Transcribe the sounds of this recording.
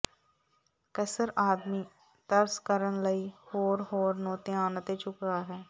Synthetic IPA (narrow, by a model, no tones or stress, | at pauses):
kəsəɾʔaːd̪mi | t̪ɐɾskəɾənləihoːɾɦoːɾnoːt̪eaːnət̪et͡ʃʊkaɦɛː